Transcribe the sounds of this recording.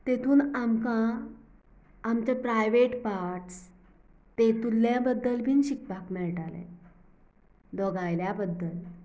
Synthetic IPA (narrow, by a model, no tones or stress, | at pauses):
t̪et̪ʰuːnamkã | mt͡ɕapɾajʋeʈpaɾʈs | t̪et̪ulːjabəd̪ːəlbʱiːnɕik̚pakmiɭʈalḛ̃ | d̪ɔɡajljabəd̪ːəl